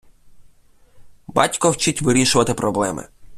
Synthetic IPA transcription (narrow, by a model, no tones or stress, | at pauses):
bɑ̰tʲkɔwt͡ʃitʲʋɪɾʲiʃʊʋɐt̪ɪpɾɔblˠɛmɪ̰